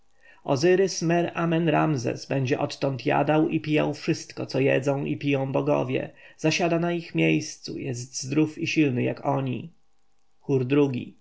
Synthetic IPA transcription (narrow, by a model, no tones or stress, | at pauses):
ɔ̰zɘɾɘsmɛɾamɛnɾamzɛ̰sbɛɲd͡ʑɛʔɔt̪ːɔnt̪ja̰d̪awʔipʲija̰wfʂɘst̪kɔt̪sɔjɛ̰d̪zɔ̃w̃ʔipʲijɔ̃w̃bɔɡɔ̰vʲjɛ̰zaɕad̪anaixmʲjejst̪sṵjɛzt̪zd̪ɾufiɕilnɘjakɔɲḭ | xuɾd̪ɾuɡʲḭ